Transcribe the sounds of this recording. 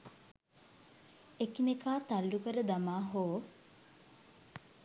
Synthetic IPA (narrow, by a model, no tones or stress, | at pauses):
ekinekaːt̪alːukəɾəd̪amaːɦoː